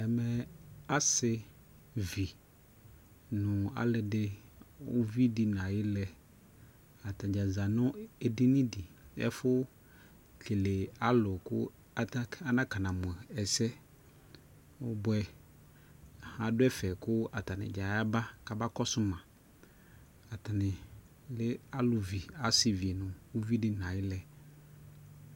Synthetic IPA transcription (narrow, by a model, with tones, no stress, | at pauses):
ɛ˨mɛ˨a˦sɪ˨ | vi˨ | nʊ̃˨a̰˦lɪ˨dɪ˦ʊ̰˦vi˦di˨n˨ã˨jɪ˦lɛ˨ | a˨ta˨d͡ʒa˨za˨nʊ̃˦e˨di˦nĩ˦di˨ɛ̰˦fʊ˦ | t͡ɬʰe˨le˨a˦lʊ˨kʊ̰˦ | a˨ta˦nã˦ka˨nã˨mʊ̃˨ɛ˨ɛ˨sɛ˦ | ʊ˦bʊ˦ɛ˨ | hã˦dʊ˦ɛ˦fɛ˨kʊ˦a˨ta˨nɪ̰̃˨d͡ʒa˨˦a˦ba˦ka˨ba˦kɔ˦sʊ˦mã˨ | a˨tʰa˨nɪ̃˨ | lɪ˦a˦lʊ˨vi˨a˨˦sɪ˨vi˨e˨nʊ̃˨wu˦vi˦dɪ˨n˨ã˨jɪ˦lɛ˨